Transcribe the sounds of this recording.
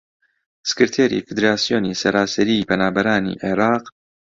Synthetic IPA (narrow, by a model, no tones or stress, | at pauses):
sɨ̥kɨɾt̪ʰeːɾḭfɨd̪ɾaːsijoːnisɐɾaːsɛɾiːpʰɐnaːbɐɾaːnḭːʔeɾɑːq